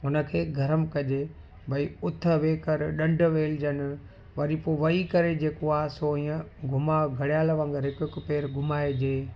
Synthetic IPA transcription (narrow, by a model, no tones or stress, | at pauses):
ɦʊnə̆kʰeːɡʱɐɾəmkɐʄeː | bʱɐiʊt̪ʰə̆ʋeːkɐɾɗɐ̃ɳɖʱʊ̆ʋeːld͡ʑənɪ̆ | ʋɐɾipoːʋɐikɐɾed͡ʑeːkoaːɦsoːɦiːə̃ɡʱʊmaɡʱɐɽijaːlʋə̃ŋɡəɾɦɪkʊɦɪkʊpeːɾɡʱʊmaːed͡ʑeː